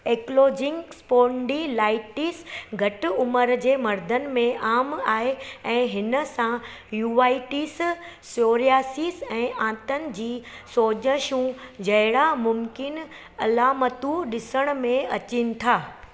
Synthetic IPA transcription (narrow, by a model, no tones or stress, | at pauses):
eːkloːd͡ʑɪŋkspoːɳɖilaːɪʈisɡʱɐʈɪʊməɾd͡ʑeːmɐɾd̪ʱənɪ̆mẽʔaːmaːɦeɛ̃ːɦɪnə̆sã | juːʋaːɪʈis | soːɾiaːsisɛ̃ːʔãːt̪ənɪ̆d͡ʑiːsoːd͡ʑəʃũd͡ʑɐɦɪɽamʊmkɪn | ɐlaːmət̪ũɗɪsəɽ̃̆mẽɐt͡ɕinɪ̆t̪ʰaː